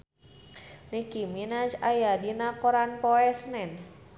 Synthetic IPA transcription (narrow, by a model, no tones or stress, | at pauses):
nikiminad͡ʒajadinakoɾanpɔɛsnɛn